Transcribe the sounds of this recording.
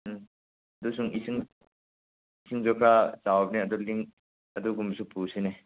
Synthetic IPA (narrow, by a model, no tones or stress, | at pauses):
ɐdusuŋisiŋ | isʰiŋd͡ʒɔkʰat͡ʃawp̚niɐd̪uliŋ | ɐd̪uɡumsupusine